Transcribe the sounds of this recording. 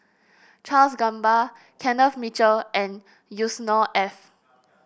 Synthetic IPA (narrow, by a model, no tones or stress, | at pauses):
t͡ʃalsɡãmba | kʰɛ̃nəfmit͡ʃəlʔɛ̃n | jusnɔʔɛf